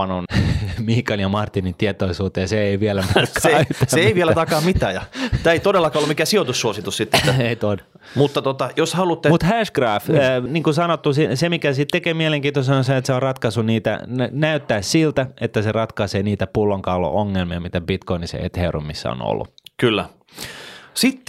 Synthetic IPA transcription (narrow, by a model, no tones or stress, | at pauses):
ɑnonmihkɑnjɑmɑrt̪ːinint̪iet̪oisuːt̪ːejɑseeiʋielæmekʰːyt̪ːæseeiʋielæt̪ɑkɑːmit̪æːjɑt̪æːeit̪odelːɑkɑːolːumikæsiot̪usːuosit̪ussit̪ːet̪ːæeit̪on | mut̪ːɑt̪ot̪ɑjoshɑlut̪ːemut̪hæʃkrɑːfniːŋkusɑnot̪ːusisemikæsit̪t̪ekeːmiɛeleŋkiːnt̪osɑnosɑet̪seorrɑt̪kɑsuniːt̪æ̰næyt̪ːæːssilt̪æet̪ːæserɑt̪kɑseːniːt̪æpulːoŋkɑːlːo̰ʔoŋːelmiɑmit̪æbit̪koinisḛḛt̪herṵmisːæ̰o̰no̰lːṵkylːæ | sit̪ː